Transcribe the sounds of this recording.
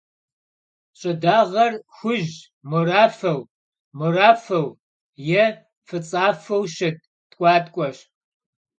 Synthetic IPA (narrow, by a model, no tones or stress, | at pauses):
ɕʼɐdaːʁɐrxʷʊʒ | muraːfɐw | muraːfɐw | jɛ | fɨt͡sʼaːfɐwʃɐt̚ | tʼkʷʼɑːtʼkʷʼɔɕ